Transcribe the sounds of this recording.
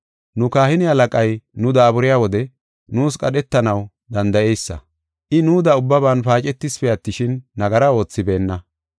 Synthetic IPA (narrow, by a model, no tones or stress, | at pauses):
nʊkaːhɪnɪhɐlɐkʼɐjnʊd̪aːbʊɾɪjaːwɔd̪ɛ | nuːskʼɐɗɛt̪ːɐnɐw | d̪ɐnd̪ɐʔɛjsːɐ̰ | ʔɪnuːd̪ɐʊbːɐbaːnpaːt͡ʃʼɛt̪ːɪspɛjɐt̪ːɪʃɪnːɐɡɐɾɐo̞ːt͡sːɪbe̞ːnːɐ